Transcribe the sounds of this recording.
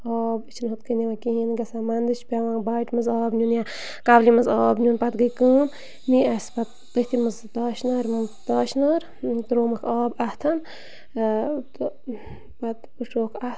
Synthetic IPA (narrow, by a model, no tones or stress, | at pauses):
ɔːbɨt͡ʃʰnɦut̪kənʲiʋakĩɦinɡɐsaːmɐnd̪ɨt͡ʃʰpʲaʋãːŋbaːʈmɨzaːbnʲunja | kablimɐzɔːbnʲunpat̪ɡəjkɨːm | niɐspat̪̚ | t̪əht̪ʰimɨzt̪aːʃnɐːɾmt̪aːʃnɐɾ | t̪ɾoːmɐkʰɑːbaht̪ʰɐn | t̪ | pɐt̪ | uʂoːkʰah